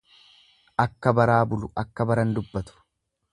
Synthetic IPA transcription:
ʔɐkːɐbɐɾaːbʊlʊʔɐkːɐbɐɾɐnd̪ʊbːɐt̪ʊ̥

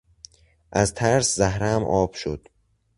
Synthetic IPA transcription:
ʔæzt̪ʰæɾszæɦɾæmʔɒːb̥ʃo̰d̪̥

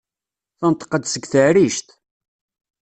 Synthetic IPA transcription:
θənt̪ə̥qːəd̪səɡθəʕɾiʃt̪

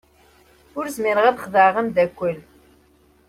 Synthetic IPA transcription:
ʊɾzmɪɾəʁæðəχðəʕʁæmd̪ækʷːəl

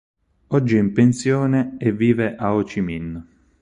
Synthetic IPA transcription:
ɔd͡ʒːiimpensjɔːneːvːiːveʔaot͡ʃiminː

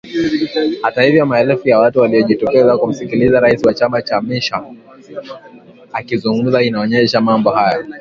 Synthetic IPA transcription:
hatahivjɔmaɛlfujawatuwaliɔʄitɔkɛzakum̩sikilizaɾaisiwat͡ʃamat͡ʃamiʃa | akizuŋɡum̩zainaɔɲɛʃamambɔhaja

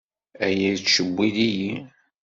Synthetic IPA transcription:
æjæt͡sʃəbːiðiji

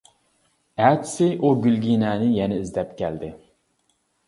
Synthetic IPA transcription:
æt̪sɪʔuɡʲylɡʲinɛːnɪjɛnɛizd̪ɛp̚kʲʰɛld̪ɪ

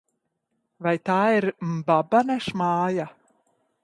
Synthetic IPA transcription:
vajt̪aːiɾmbabanɛʃmaːja

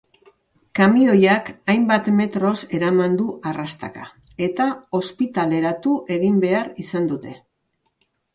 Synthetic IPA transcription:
kamio̞jakajmbat̪me̞t̪ɾo̞se̞ɾamand̪uʔarast̪a̰ka̰ | e̞t̪ao̞spit̪ale̞ɾat̪uʔe̞ɣimbe̞aɾisand̪ut̪e̞

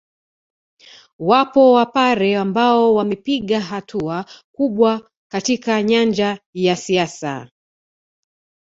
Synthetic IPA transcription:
wapɔwapaɾɛambaɔwamɛpiɠaɦatʰuakuɓwa | katikaɲand͡ʒajasiasa̰

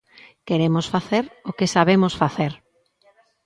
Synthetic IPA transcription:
keɾemosfaθeɾokesaβemosfaθeɾ

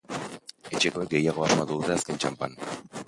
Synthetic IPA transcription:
et͡ʃekoeɡejaɣoaʃmad̪uut̪easkenʲt͡ʃampa̰n

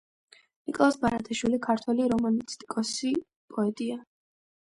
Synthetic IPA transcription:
nikʼɔlˠasbaɾat̪ʰʼaʃwilikʰaɾt̪ʰwɛliɾɔmanist̪ʼi̥kʼɔsi | pʼɔɛt̪ʼia

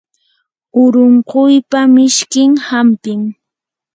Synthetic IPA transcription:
ʊɾoɴqojpamɪʃkɪŋhampɪŋ

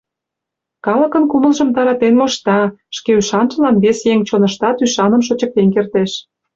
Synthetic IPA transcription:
kɑlə̆kə̆nkuməlʒəmt̪ɑɾɑt̪enmoʃt̪ɑʃkeyʃɑnʒə̆lɑnβesjeŋt͡ɕonəʃt̪ɑt̪yʃɑnəmʃ̬ot͡ɕə̆k̚t̪enkert̪eʃ

